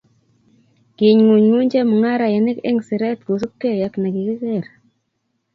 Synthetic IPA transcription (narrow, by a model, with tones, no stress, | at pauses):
ki˨ɲŋu˨ɲŋu˦ɲd͡ʒe˦mu˨ŋa˦ɾa˨je˨nɪ˦kɪ̰˦ŋsɪ˨ɾɛ˦t̪ku˨s̬u˦p̚ke˦ja˨kna˨ki˨ki˦ke˦˨ɾ